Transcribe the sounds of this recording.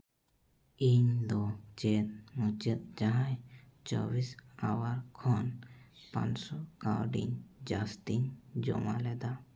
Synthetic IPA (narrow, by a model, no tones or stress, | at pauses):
iɲd̪ɔt͡ʃet̪̚mut͡ʃet̪̚d͡ʒaɦãjt͡ʃɔ̰bisawaɾkʰɔnpã̰nsɔkawɖḭɲd͡ʒast̪iɲd͡ʒɔ̰malɛd̪a